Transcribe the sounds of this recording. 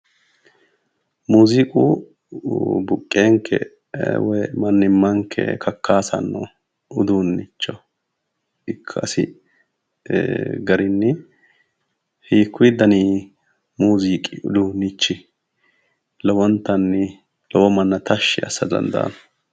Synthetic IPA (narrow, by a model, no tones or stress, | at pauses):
muːzikʼṵː | bʊkʼːeːŋkʰːɛ̰ | wɔjmɐnːɪmːɐŋkʰːɛ̰kʰɐkːaːsɐ̰nːɔ̰ | ʊd̪uːnːɪt͡ʃːɔ | ɪkʰːɐɐsɪ̰ | ɡɐɾɪnːɪ | hiːkʰːʊd̪ɐniː | muːzikʼɪʊ̰d̪uːnːɪt͡ʃːɪ | lɔwɔnt̪ːɐnːɪ | lɔwɔmɐnːɐt̪ɐʃːɪɐ̰sːɐd̪ɐ̰nd̪ɐ̰ːn